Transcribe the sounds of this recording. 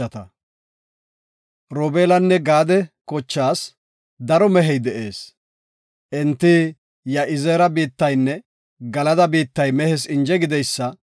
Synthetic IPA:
ɐt̪ɐ | ɾoːbeːlɐnːɛɡaːd̪ɛkɔt͡ʃːaːs | d̪ɐɾɔmɛɦɛjd̪ɛʔe̞̰ːs | ʔɛnt̪ːɪ | jɐʔɪzeːɾɐbiːt̪ːɐjnːɛ | ɡɐlɐd̪ɐbiːt̪ːɐjmɛhɛsɪnd͡ʒɛɡɪd̪ɛjsːɐ

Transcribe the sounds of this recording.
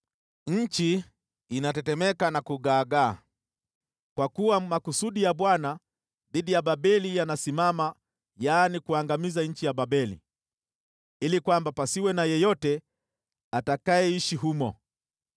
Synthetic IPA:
ɲ̩t͡ʃiː | natɛtɛmɛkanakuɠaːɡaː | kwakuwamakusuɗijaɓwana | ðiɗijaɓaɓɛlijanasimama | janikuaŋɡamizaɲ̩t͡ʃijaɓaɓɛlḭ | ilikwambapasiwɛnajɛjɔtɛ | atakajɛiʃiɦumɔ̰

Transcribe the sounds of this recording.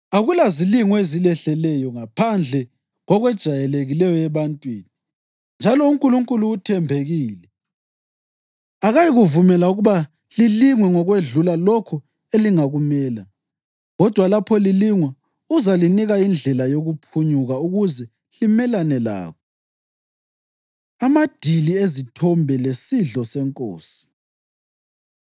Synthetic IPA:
aɣulaziliŋɔezilɛɬɛlɛjɔŋapʰand͡ɮʱɛ | ɣɔɣwɛd̥ʒ̥ʱajɛleɣilɛjɔɛβantʼwiːni | nd͡ʒʱalɔuŋkʼuluŋkʼuluːtʰɛmbʱeɣiːlɛ | aɣajiɣuvumɛlauɣuβa | liliŋwɛŋɔɣweɮulalɔkʰɔ | eliŋaɣumɛːla | ɣɔd̥ʱwalapʰɔliliŋwɛ | uzaliniɣaind͡ɮʱɛlajoɣupʰuɲuɣauɣuzɛ | limɛlanɛla̰ːkʰɔ | amad̥ʱiliezitʰɔmbʱɛlesiɮɔsɛŋkʼo̰ːsi̥

